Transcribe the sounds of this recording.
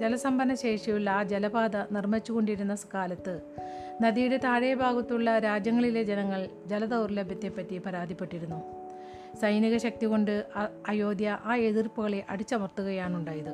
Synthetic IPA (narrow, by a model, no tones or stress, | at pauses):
d͡ʑelɐsɐmbɐnɐɕe̞ːʂijuɭːaːd͡ʑelɐbaːd̪ɐnirmɐt͡ɕːuɣo̞ɳɖiɾunːɐsɐ̥kaːlɐt̪ːɨ | nɐðijuɽet̪aːɻejɐbʱaːɡɐt̪ːuɭːɐɾaːd͡ʑjɐŋːɐɭile̞d͡ʑenɐŋːɐɭd͡ʑɐlɐd̪ɐʋrlɐbʱjɐt̪ːe̞pːɐtːipɐɾaːd̪ʱipːe̞ʈːiɾunːu | sɐjniɣɐɕɐk̚t̪iɣo̞ɳɖɨɐjo̞ːd̪jɐʔaːeðirpuɣɐɭeʔɐɽit͡ɕːɐmɐrt̪ːuɣɐjaːɳuɳɖaːjɐðɨ